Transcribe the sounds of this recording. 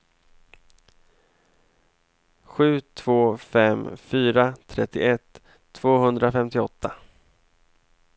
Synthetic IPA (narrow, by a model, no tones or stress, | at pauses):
ɧʉ̟ːt̪ʰv̥oːfɛmfyːɾat̪ʰɾɛt̪ʰːɪ̰ʔɛt̪ʰː | v̥oːɦɵnd̪ɾafɛmt̪ɪɔt̪ʰːa